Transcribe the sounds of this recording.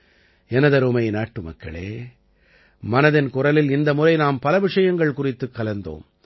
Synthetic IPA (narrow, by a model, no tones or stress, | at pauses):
ɛnɐðɐɾumɐɪnaːʈːɯmɐ̰kːɐɭḛː | mɐnɐðɪnkʊrɐlɪlɪnd̪ɐmʊrɐɪnaːmpɐlɐʋɪʂɐjɐŋɡɐɭkʊrɪt̪ːɯkːɐlɐnd̪o̰ːm